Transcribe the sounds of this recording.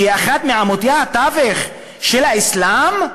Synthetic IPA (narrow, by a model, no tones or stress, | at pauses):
eaχat̪meaamot̪ijahat̪aveχ | ʃelaislam